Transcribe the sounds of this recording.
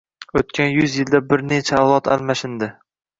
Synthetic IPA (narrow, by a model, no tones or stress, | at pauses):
ot̪̚kʲʰanjʊzjɪld̪abɪɾne̞t͡ʃʰaːwlˠɒt̪ʰa̰lmaʃɪnd̪ɪ